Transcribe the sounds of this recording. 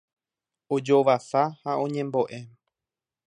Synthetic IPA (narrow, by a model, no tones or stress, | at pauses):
od͡ʒo̞ʋasahaõ̞ɲẽ̞mbo̞ʔe̞